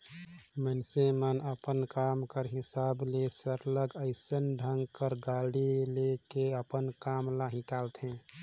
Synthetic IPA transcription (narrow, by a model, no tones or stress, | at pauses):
mənsemənəpənkamkəɾɦɪsaːblesəɾləɡəɪsənɖʱə̃ŋɡkəɾɡaːɽilekeəpənkaːmlaɦĩkalt̪ɦɛ̃